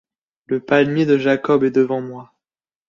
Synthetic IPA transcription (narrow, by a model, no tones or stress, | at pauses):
ləpalmjed̪əʒakɔbɛd̪əvɑ̃mwa